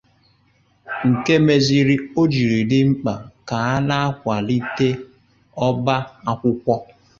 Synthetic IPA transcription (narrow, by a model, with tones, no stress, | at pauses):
ŋ̩˨ke˦me˦zi˨ɾi˦o˦d͡ʒi˨ɾi˨dɪ˦ŋ͡m̩˦k͡pa˨ka˨a˦na˦a˦kʷa˨li˦te˦ | ɔ˦ba˦a˦kʷʊ˦kʷɔ˦